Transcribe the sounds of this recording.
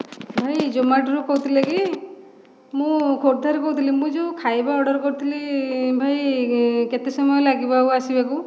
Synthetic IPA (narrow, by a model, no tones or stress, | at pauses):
bʱajd͡ʒomaɖɾukɔɦut̪ʰileki | mũkʰoɾd̪ʱaɾikɔɦut̪ʰilimũd͡ʒukʰajbaɔɽɔɾkɔɾut̪ʰilibʱajket̪esɔmɔɔlaɡibauasibaku